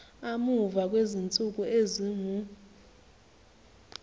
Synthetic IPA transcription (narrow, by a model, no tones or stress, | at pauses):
amuvak̬ʼwezint͡sʼuk̬ʼueziŋu